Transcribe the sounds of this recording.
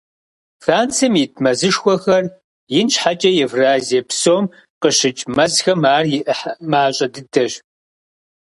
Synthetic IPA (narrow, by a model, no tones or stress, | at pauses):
faːnt͡sʰɨmjɪtʰmɐzɨʂxʷɔxɐr | jɪnt͡ʃħat͡ʃʼɐjɛvraːziɛpsoːm | qəɕɨt͡ʃʼmɐzxɐmaːrjɪʔħmaːɕʼɐdɨdɐɕ